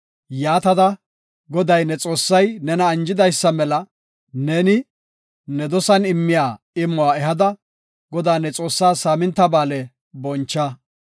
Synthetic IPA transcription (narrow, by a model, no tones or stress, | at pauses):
jaːt̪ɐd̪ɐ | ɡɔd̪ɐjnɛt͡sʼo̞ːsːɐjnɛnɐːnd͡ʒɪd̪ɐjsːɐmɛlɐ | neːnɪ | nɛd̪ɔsɐnɪmːɪjaː | ɪmːɔwaːɛɦɐd̪ɐ | ɡɔd̪aːnːɛt͡sʼo̞ːsːaːsaːmɪnt̪ːɐbaːlɛ | bɔnt͡ʃːɐ